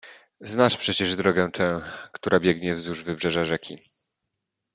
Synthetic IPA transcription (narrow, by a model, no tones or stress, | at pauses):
znaʂpʂɛt͡ɕɛʐd̪ɾɔɡɛ̃t̪ʰɛ̃w̃kt̪uɾʔabʲjɛɡɲɛvzuʐvɘbʐɛʐaʐɛkʲi